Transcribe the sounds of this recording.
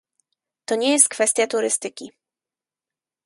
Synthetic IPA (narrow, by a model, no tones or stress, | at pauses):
t̪ɔɲɛjɛst̪̚kfɛst̪ʲjat̪uɾɘst̪ɘkʲi